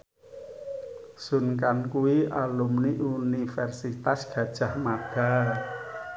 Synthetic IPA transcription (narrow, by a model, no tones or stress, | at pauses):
sunkankuwialumniʔunifɛrsit̪asɡ̥ä̤d̥ʒ̥a̤hmad̪̥a̤